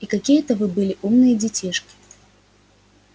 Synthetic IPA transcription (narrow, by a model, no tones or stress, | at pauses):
ikakʲijət̪ɐvɨbɨlʲɪʔumnɨjɐd͡zʲit͡sʲiʂkʲi̥